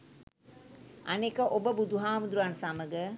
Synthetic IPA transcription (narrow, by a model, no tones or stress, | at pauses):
ɐnekəʔobəbud̪uɦaːmud̪ɾuansaməɡə